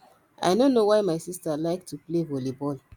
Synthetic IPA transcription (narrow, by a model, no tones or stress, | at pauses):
ʔa̰ɪnonowajmaɪsistalaɪktʰuplevolibɔl